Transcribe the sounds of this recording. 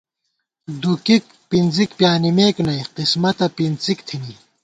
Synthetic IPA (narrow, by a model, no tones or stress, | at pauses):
d̪ukik̚ | pinzikpjaːnimeːknɐjqismɐt̪ɐpint͡sikt̪ʰini